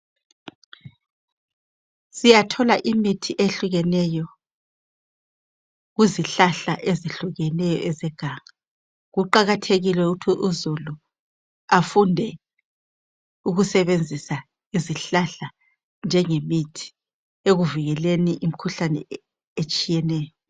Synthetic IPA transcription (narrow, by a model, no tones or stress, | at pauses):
sijatʰɔlaʔimitʰiʔeɬuɣɛnɛjɔ | ɣuziɬaɬaʔeziɬuɣɛnɛjɔ̰ʔɛzɛɡ̥ʱaŋa | ɣuǃaɣatʰeɣilwɛuɣutʰiʔuzulu | afundʱɛ | uɣusɛβend͡zʱisa | iziɬaɬa | nd͡ʒʱɛŋemitʰi̥ | eɣuviɣɛleniʔim̩kʰuɬanɛ̰ | et͡ʃʼijɛnɛːjɔ